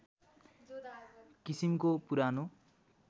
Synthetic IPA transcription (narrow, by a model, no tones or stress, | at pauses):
kisimkopuɾano